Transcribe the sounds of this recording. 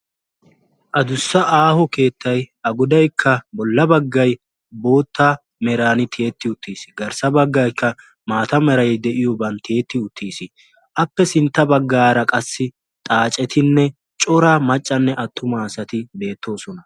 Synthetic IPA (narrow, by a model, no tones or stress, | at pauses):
ʔɐd̪ʊsːɐʔaːhɔke̞ːt̪ʰːɐjɐɡɔd̪ɐjkʰːɐbɔlːɐbɐɡːɐj | bo̞ːt̪ːa | mɛɾaːnɪt̪ʰe̞ːt̪ːɪʊt̪ːiːsɪ̥ɡɐɾsɐbɐɡːɐjkʰːɐ | maːt̪ɐmɛɾɐjd̪ɛʔɪjɔbɐnt̪ʰːeːt̪ːɪʊt̪ʰːiːsɪ | ʔɐpːɛsɪnt̪ːɐbɐɡːaːɾɐkʼɐsːɪ | t̪ʼaːt͡ʃʼɛt̪ʰɪnːɛ | t͡ʃʼɔɾamɐt͡ʃʼːɐnːɛʔɐt̪ːʊmaːsɐt̪ɪbe̞ːt̪ʰːo̞ːsɔnɐ